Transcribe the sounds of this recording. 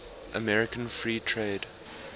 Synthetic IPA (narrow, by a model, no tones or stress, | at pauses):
ʔə̰mɛɹɪkə̃nfɹiːtʰɹeːd